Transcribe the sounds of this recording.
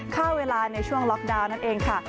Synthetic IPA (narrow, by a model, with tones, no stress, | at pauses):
kʰaː˥˩weː˧laː˧na˧jt͡ɕʰu˥˩əŋlɔ˦˥k̚daː˧wna˥˩nʔeː˧ŋkʰa˥˩